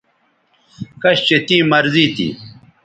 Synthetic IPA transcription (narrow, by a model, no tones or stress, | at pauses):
kɐɕt͡ɕet̪ĩːmɐɾzit̪ḭː